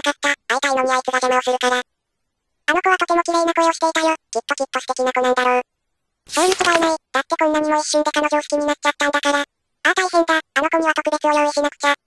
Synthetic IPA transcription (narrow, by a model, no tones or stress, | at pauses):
akat̪ːaːipainoɲʲiait͡sɨɡazameosɨɾɯ̟kaɾa | ano̞koβat̪okemo̞kʲiɡ̪ainakoeo̞ɕi̥t̪e̞it̪ajokikːokʲitːoɕi̥t̪e̞kʲinakɯnãnd̪aɾoː | sẽɾʲit͡sɨbainaid̥̪akːekɯɲnaɲ̟imo̞iɕːĩnd̪e̞kano̞ʑo̞ːɕi̥kʲiɲ̟inat̚t͡ɕat̪ːãnd̪akaɾa | at̪aisẽnd̪aano̞koɲ̟iβat̪okɯ̟be̞kʲio̞joiɕinakɯ̟̥t͡ɕa